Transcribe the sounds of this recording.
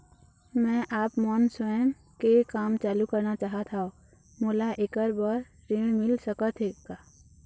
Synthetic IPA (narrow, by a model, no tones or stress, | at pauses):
mɛ̃ːʔaːpmɔːnswəəm | kekaːmt͡ʃaːlukəɾnat͡ʃaːɦat̪ʰao | moːlaʔekəɾbəɾ | ɾẽmɪlsəkət̪ʰekaː